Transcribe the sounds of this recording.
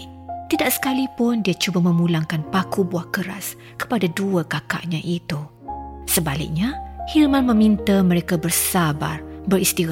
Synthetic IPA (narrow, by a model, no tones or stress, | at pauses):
t̪idaʔsə̥kalipʊndiat͡ʃubamə̃mũlaŋkanpakubuahkəɾas | kə̥padaduəkaka̰ʔɲãʔit̪u | səbalɪ̰k̚ɲahilmãnmə̃mĩnt̪amə̃ɾekabərsabarbəɾist̪i